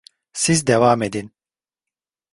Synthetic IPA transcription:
sizd̪evaːmed̪in

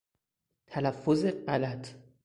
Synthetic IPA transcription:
t̪ʰælæfːozeɢælæt̪ʰ

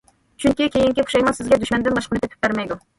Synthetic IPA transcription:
t͡ʃʰyŋkʲikʲʰejiŋkʲiχu̥ʃɑjmɑnsɪzɡʲɛd̪yʃmɛnd̪ɪnbɑʃqənɨt̪ʰɛpʰɪ̥p̚bæɾmɛjd̪u

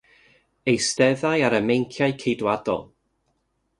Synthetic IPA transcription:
ejstɛðajaɾəmejŋkʰjajkʰejdwadɔ̰lˠ

